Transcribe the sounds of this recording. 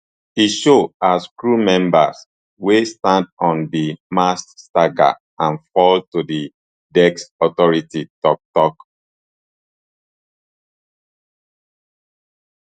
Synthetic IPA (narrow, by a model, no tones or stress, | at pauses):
iʃoaskɹumɛ̃mba̰s | westãndɔ̃ndimastaɡa̰ | ãnfɔltudi | dɛksɔtɔɹititɔk̚tɔk